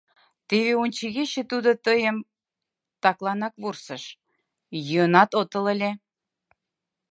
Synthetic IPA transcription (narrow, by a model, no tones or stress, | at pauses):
t̪eβeunʲt͡ɕiɣeɕĕt̪ud̪ot̪əjəm | t̪ɑklɑnɑkβursəʃ | jyənɑt̪ot̪ə̆lə̆lʲe